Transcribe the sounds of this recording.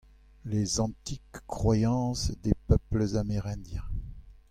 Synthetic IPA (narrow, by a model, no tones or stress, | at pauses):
lezɑ̃t̪ikːχwajɑ̃sd̪epœpləzameʁɛ̃d̪jɛ̃